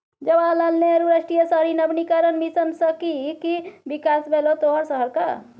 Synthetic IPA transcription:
d͡ʒəbalalneɾuɾəsʈijəsəɦəɾinəbnikaɾənmisənsəkikibikasbʱelot̪oɦəɾsəɦəɾka̰

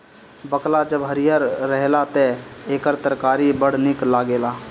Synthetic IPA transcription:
bəklad͡ʒəbɦəɾijəɾːəɦlat̪ɛeːkəɾt̪əɾkaːɾibəɽ̤nɪklaɡeːla

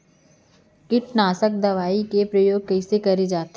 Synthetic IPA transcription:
kɪʈnaːsək̚d̪ɐʋaːikepɾɐjoːɡ̚kɐɪsekɐɾed͡ʒaːt̪

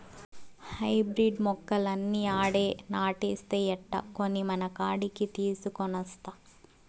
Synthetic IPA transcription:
hɐjbɾiɖmɔkːɐlɐnːiːaːɽeːnaːʈiːst̪eːɛʈːɐ̰ko̞nːimɐnɐkaːɽikit̪iːsukɔnɐst̪a

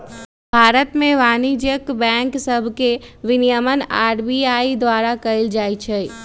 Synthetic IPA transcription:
bʱaːɾət̪mẽʋaːnid͡ʒjəkbɛ̃ːŋksəbʱkeʋɪnijəməna̰ːɾbiaːid̪waːɾakəɪld͡ʒaːit͡ʃʰɛ

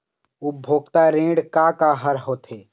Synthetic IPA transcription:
ʊbʱoːɡt̪aɾẽːɖkakaɦəɾɦoːt̪ʰeː

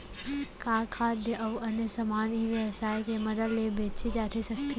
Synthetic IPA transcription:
kaːkʰaːd̪ʱjəʔɐʋɐnjesɐmaːniʋjəʋsaːjkemɐd̪əllebeːt͡ʃid͡ʒaːt̪ʰisəkkʰː

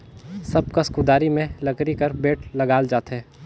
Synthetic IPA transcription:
sɐb̚kɐskud̪aːɾimẽlɐkɾikɐɾbeːʈʰlɐɡaːld͡ʒaːt̪ɦɛː

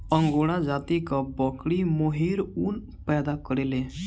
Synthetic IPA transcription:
əŋɡoɽ̃ãd͡zat̪ikabɔkɽimoɦiɾuːn | pɛd̪akəɾele

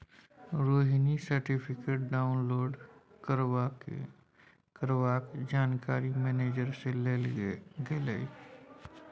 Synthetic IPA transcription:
ɾoːɦinisəɾʈipʰɪkeːʈ̚ɖaːʊnloːɖ | kəɾ | kəɾʋaːkd͡ʒaːnkaːɾimɛːneːd͡ʒəɾseleːlɡeːləi

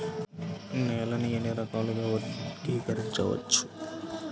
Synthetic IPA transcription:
nɛːlɐnijɐniɾɐkaːluɡaːʋɐkiːkɐɾiɲt͡ʃɐ̰ʋɐ̰t͡ʃːu̥

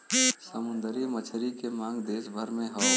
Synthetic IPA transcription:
səmʊnd̪əɾimət͡ʃʰɾikemãːŋɡd̪eːsbʱəɾmẽɦə

